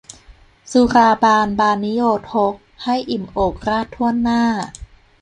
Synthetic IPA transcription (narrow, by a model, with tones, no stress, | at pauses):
su˧˦ɾaː˧baː˧nbaː˧nːi˦˥joː˧t̪̚ho˧˦˥k̚ha˥˩jʔi˨˩mʔoː˨˩k̚ɾaː˥˩t̪ʰːu˥˩ənːaː˥˩